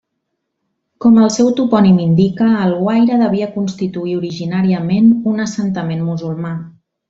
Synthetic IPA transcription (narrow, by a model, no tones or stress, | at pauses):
kɔməlˠsɛwt̪upɔnimind̪ikəːlˠɣwajɾəðəβ̞iəkunst̪it̪uiuɾiʒinaɾiəmenunəsənt̪əmenmuzulˠma